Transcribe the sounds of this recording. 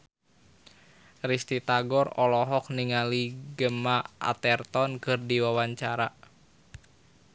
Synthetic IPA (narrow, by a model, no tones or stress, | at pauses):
rist̪it̪aɡɔrɔlɔɦɔk̚niŋaliɡəmaʔa̰t̪ɛrt̪ɔnkɨrdiwawaɲt͡ʃaɾa